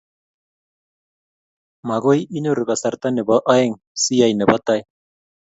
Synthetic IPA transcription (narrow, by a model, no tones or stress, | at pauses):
maɣojinoɾɡasaɾt̪anebaʔaeŋ | siajnebat̪aj